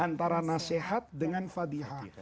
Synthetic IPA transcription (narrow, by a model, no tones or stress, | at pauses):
ant̪aɾanasehat̪̚dəŋanfad̪iɦa